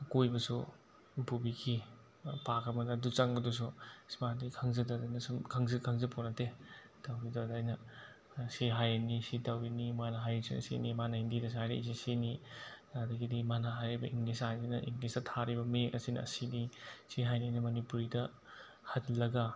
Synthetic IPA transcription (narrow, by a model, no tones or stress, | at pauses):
kojbɐsu | pubikʰi | pakɐmɐdɐdut͡ʃaŋɡɐdus̬usmadikʰaŋzɐdadajnɐsumkʰaŋzɐkʰɐŋzɐpʰonɐte | tawɾidadajnɐ | siɦajnisitɐwinimanaɦajsḭnɐ̰sḭnimanɐindidɐs̬ajɾḭʔs̬isinidadɐɡidimanaɦajɾibɐʔiŋɡlisajninɐʔḭŋlisdɐtʰaɾibɐmekɐsinɐ̰sinisiɦajnajnɐmɐnipuɾidɐ | hɐtlɐɡa